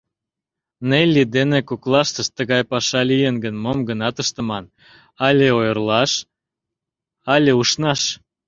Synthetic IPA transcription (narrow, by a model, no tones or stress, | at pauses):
nelʲid̪enekoklˠɑʃt̪əʃt̪əɣɑjpɑʃɑlijenɡənmomɡənɑt̪əʃt̪ə̆mɑn | ɑlʲeojərlɑʃ | ɑlʲeuʃnɑʃ